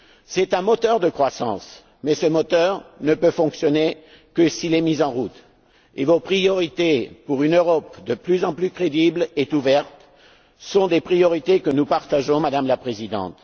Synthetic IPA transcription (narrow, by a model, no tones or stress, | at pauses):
sɛt̪ɛ̃mɔt̪œʁd̪əkχwasɑ̰̃s | mɛsəmɔt̪œʁnəpøfɔ̃ksjɔne | kəsilɛmizɑ̃ʁut̪ | evopχijɔʁit̪epuʁynøʁɔpd̪əplyzɑ̃plykχed̪iblet̪uvɛʁt̪ | sɔ̃d̪epχijɔʁit̪ekənupaʁt̪aʒɔ̃mad̪amlapχezid̪ɑ̰̃t̪